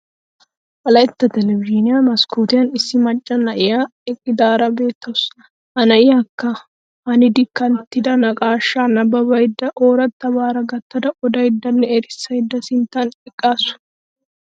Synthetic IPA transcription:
ʔɐlɐjɪt̪ːɐt̪ɛlɛbɪd͡ʒinɪjamɐskuːt̪ɪjɐnɪsːɪmɐt͡ʃʼːɐnɐʔɪjaːɛkʼːɪd̪aːɾɐbe̞ːt̪ːɐwʊs | ʔɐnɐʔɪjakːɐ | ɐnɪd̪ɪkːɐnt̪ːɪd̪ɐnɐkʼaːʃːaːnɐbɐbɐjd̪ːɐʔoːɾɐt̪ːɐbaːɾɐɡɐt̪ːɐd̪ɐʔɔd̪ɐjɪd̪ːɐnːɛɛɾɪsːɐjd̪ːɐsɪnt̪ɐnɪkʼːaːsʊ̥

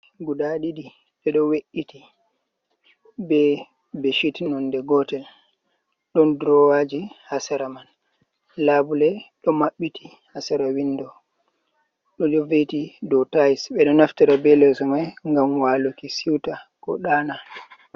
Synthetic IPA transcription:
ɡuɗaɗidi | ɓɛɗɔweʔːiti | bɛ | beʃitnɔndɛɡɔtɛl | ɗɔndɾɔwad͡ʒihasaɾaman | laːbulɛɗɔmaɓːitʰi | hasaɾawindɔ | ɗɔd͡ʒovetidɔtajsɓɛɗɔnaftiɾabɛlɛsɔmajŋɡamwalukisiwtakɔ̰ɗaːna

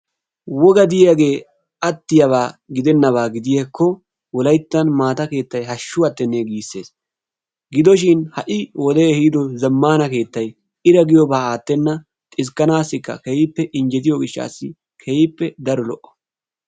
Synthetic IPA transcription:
wɔɡɐd̪ɪjaɡe̞ː | ɐt̪ːɪjɐβaːɡɪd̪ɛnːɐβaːɡɪd̪ɪjekːɔ | wɔlɐjt̪ːɐnmaːt̪ɐke̞ːt̪ːɐjɦɐʃːʊwɐt̪ːɛnːeɡiːsːe̞ːs | ɡɪd̪ɔʃ̬ɪnhɐʔɪwɔd̪ɛhiːd̪ɔzɐmːaːnɐke̞ːt̪ːɐj | ɪɾɐɡɪjɔbaːaːt̪ːɛnːɐ | t̪ʼɪs̬kːɐnaːsːɪkːɐ̰kɛjɪpːɛʔɪnd͡ʒɛt̪ɪjɔɡɪʃːa̰ːsːɪ | kʰɛjɪpːɛd̪ɐɾɔlɔʔɔ̥

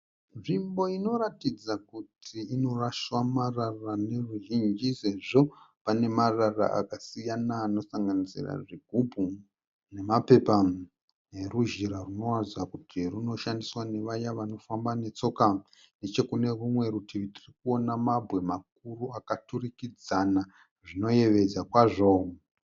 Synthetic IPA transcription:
ʐimbo̞ino̞ɾatid͡zakutʰiino̞raʃwamararane̞ruʒind͡ʒise̞ʐo̞pane̞marara̰ʔa̰kasijanaːno̞saŋɡanisḭra̰ʐiɡʱubʱu | ne̞mape̞pa | eruʒiɾaruno̞razakutʰiruno̞ʃandiswane̞ʋajaʋano̞fambane̞t͡so̞ka | ne̞t͡ʃe̞kune̞rumwe̞ɾutiʋitirikuo̞namabʱwe̞mak̚uruakaturikid͡zana | ʐino̞je̞ʋe̞d͡zakwaːʐo̞

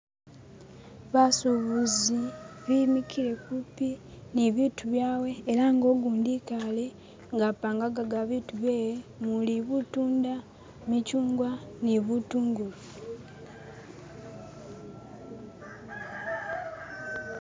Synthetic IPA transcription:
βasuβuziβimikʰiɾe̞kupiniβiːtuβjaːwe̞ːɾaŋɡo̞ːɡuːndikale̞ | ŋɡapːaːŋɡaɡaɡaβituβeːjemuliβutuːnda | micuːŋɡwaniβutuːŋɡu

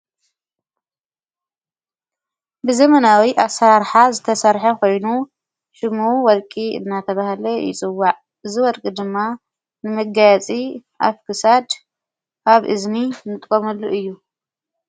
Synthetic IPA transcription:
bɨzɐmɐnawiʔasaɾħazɨt̪ʰɐsɐɾħɐkʰo̞jnu | ʃɨmuwɔlkʼiɨ̰nːat̪ʰɐβahlɐjɪ̰t͡sʼɨwːaʕ | ʔɨziwɔlkʼid̪ɨmːa | nɨmɐɡajat͡sʼiʔa̰βkʰɨsad̪ | ʔaβʔɨznimɨt̪ʼkʼomɐlːuʔɨjːu

